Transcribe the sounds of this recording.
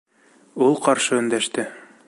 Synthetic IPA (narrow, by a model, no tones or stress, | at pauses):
ulˠqɑɾʃɤɵ̆nd̪æʃt̪ɘ